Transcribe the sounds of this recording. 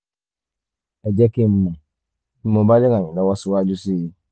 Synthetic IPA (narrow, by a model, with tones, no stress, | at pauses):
ɛ˨d͡ʒɛ˦ki˦m̩˦mːo˨˦ | mo˨ba˦li˦ŋa˨ɲi˨na˦wa˦su˦wa˦d͡ʒu˦si˦i˦